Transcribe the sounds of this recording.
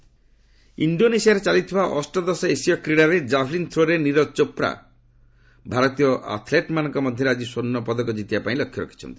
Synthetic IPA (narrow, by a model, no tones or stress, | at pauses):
ḭɳɖonesijaɾet͡ʃalit̪ʰibaʔɔsʈɔd̪ɔsɔesiɔkɾiɽaɾed͡ʒabʰlint̪ʰɾoɾeniɾɔt͡ʃopɾa̰ | bʱaɾɔt̪ijɔʔa̰t̪ʰleʈmanɔ̃ŋkɔmɔd̪ʱjɔɾad͡ʒisonːɔpɔd̪ɔkɔd͡ʒit̪ibapaĩlɔkʰːjɔɾɔ̰kʰi̥t͡ʃʰɔ̰nt̪i̥